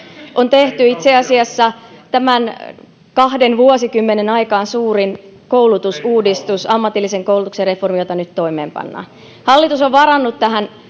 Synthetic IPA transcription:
ʔont̪eht̪yit̪seɑsiɑsːɑt̪æmæn | kɑhdenʋuosikymːenenɑikɑːnsuːɾin | kowlut̪usuːdist̪usɑmːɑt̪ilːiseŋkoulut̪ukserreformijot̪ɑnyt̪toimḛːmpɑ̰nːɑ̰ː | hɑlːit̪usoʋʋɑɾɑnːut̪t̪æɦæn

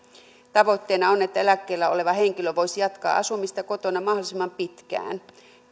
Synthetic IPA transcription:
t̪ɑʋo̞t̪ːeːnɑonet̪ːæelækːe̞ːlːæo̞̰le̞ʋɑhe̞ŋkiløʋo̞jsijɑt̪kɑ̰ːʔɑsumist̪ɑko̞t̪o̞nɑmɑhdolisemɑmpit̪k̟æ̰ːn

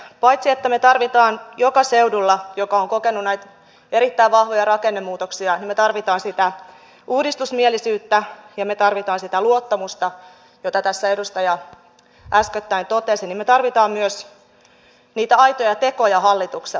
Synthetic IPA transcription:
pɑjt̪siet̪ːæmet̪ɑrʋit̪ɑːnjokɑseudulːɑjokɑoŋkokenːunæjt̪ | eɾit̪ːæiʋʋɑhʋojɑɾɑkenːemːuːt̪oksiɑnimet̪ɑrʋit̪ɑːnsit̪æ | uːdist̪usmielisyːt̪ːæjɑmet̪ɑrʋit̪ɑːnsit̪æluot̪ːɑmust̪ɑ | jot̪ɑt̪æsːæedust̪ɑjɑ | ʔæskøt̪ːæint̪ot̪esinimmet̪ɑrʋit̪ɑːmmyøs | niːt̪æɑjt̪ojɑt̪e̞kojɑhɑlːit̪uks

